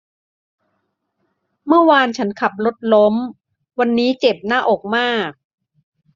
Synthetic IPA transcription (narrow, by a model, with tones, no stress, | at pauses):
mɯ˥˩ɐwaː˧nt͡ɕʰa˦˥nkʰa˨˩p̚lo˦˥t̪̚lo˦˥m | wa˧nːiː˦˥t͡ɕe˨˩p̚naː˥˩ʔoː˨˩k̚maː˥˩k̚